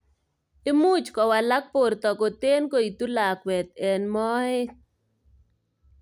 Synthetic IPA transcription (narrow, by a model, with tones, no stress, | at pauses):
ɪ˦mu˦t͡ʃkɔ˨wa˨la˦k̚po˨rt̪ɔ˨ko˨t̪e˦nko˦˨i˨t̪u˦la˨kwɛ˨t̪̚ɛ˨nmɔ˦ɪ˦